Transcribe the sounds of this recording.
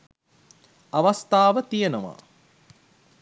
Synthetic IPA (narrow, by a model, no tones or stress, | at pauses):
aʋast̪aːʋət̪ijenəʋa̰ː